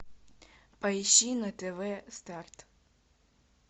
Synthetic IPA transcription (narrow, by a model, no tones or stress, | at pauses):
pʼɐjʃinɐt̪ɛvɛst̪art̪